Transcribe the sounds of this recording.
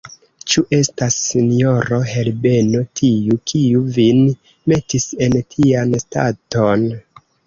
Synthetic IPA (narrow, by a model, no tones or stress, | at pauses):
t͡ʃuʔe̞stasːino̞ɾo̞ɦe̞lbe̞no̞tʰiukʰiuvin | me̞tise̞ntʰiansta̰to̞n